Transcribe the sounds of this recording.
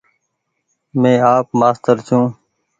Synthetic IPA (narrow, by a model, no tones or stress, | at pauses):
mẽːaːp̚maːst̪əɾt͡ʃʰũː